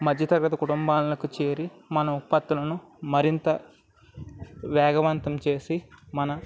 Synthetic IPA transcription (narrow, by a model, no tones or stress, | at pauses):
mɐd̪ʱjɐt̪ɐɾɡɐt̪ɐkuʈumbaːnlɐkut͡ʃe̞ːɾimɐnɐupːɐt̪ːulɐnu | mɐɾint̪ɐ | ʋɛːɡɐʋɐnt̪ɐmt͡ʃe̞ːsimɐnɐ